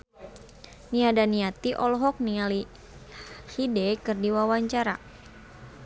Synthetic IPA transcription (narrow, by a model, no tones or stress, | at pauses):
niadaniat̪iʔɔlɔɦɔk̚niali | hidɛkɨrdiwawaɲt͡ʃaɾa